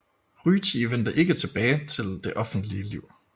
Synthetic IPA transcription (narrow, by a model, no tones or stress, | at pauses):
ʁyːt͡sʰiʋen̰d̥ɐʔe̝ɡ̥ət͡sʰe̝b̥ɛːɪt͡sʰe̝ld̥e̝ʔɒ̽fn̩d̥liəliʊ̰